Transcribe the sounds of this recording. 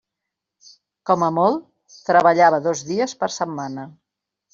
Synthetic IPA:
kɔməmɔlˠ | t̪ɾəβəʎaβəðɔzðiəspəɾsəmːanə

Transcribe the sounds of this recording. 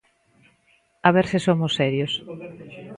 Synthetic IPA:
aβ̞eɾsɪsomosːɛɾjos

